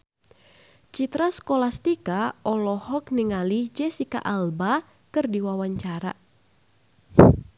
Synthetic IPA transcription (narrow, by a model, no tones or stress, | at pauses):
t͡ʃit̪ɾaskɔlast̪ikaɔlɔhɔk̚niŋalihd͡ʒɛsika̰ʔalba | kɨrdiwawaɲt͡ʃaɾa̰